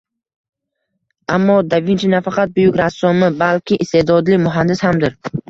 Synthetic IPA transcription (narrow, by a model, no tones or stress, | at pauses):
ʔamːɒd̪avɪnt͡ʃʰanafaqʰɑt̪̚bʊjʊkʲɾasːɔmɪbalkʲɪʔːst̪e̞d̪ɒd̪limʊɦand̪ɪshamd̪ɪɾ